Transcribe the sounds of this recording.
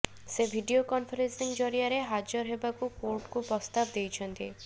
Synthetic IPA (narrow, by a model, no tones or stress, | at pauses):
sebʱiɖiokɔnfʰɔɾensiŋd͡ʒɔɾiaɾeɦad͡ʒɔɾɦebakukoɾʈkupɾɔst̪abd̪ejt͡ʃʰɔnt̪i